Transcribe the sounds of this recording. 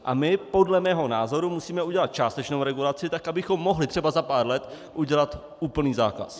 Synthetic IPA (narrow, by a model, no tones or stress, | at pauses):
ʔamɪpo̞dlɛmɛːɦo̞naːzo̞ɾumusiːmɛuɟɛlat̪̚t͡ʃaːst̪ɛt͡ʃnowɾɛɡulat͡sɪt̪akʔabɪxo̞mːo̞ɦlɪt̪r̥ɛbazapaːɾlɛt̪ | ʔuɟɛlat̪ | ʔuːpl̩niːzaːka̰s